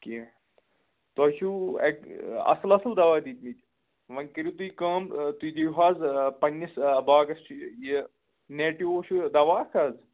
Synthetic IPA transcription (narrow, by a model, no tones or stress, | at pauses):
ki | t̪ɐt͡ʃʰuḛkɐ̰slɐsld̪ɐʋaːd̪iːt̪ʲmit̪ʲ | ʋɐnkiɾit̪uikə̃ːmt̪uid̪iɦaːzpɐnʲːisɐbaːɡɐsʈʰji | neːʈiʋoːʃʰud̪ɐʋaːkʰaːz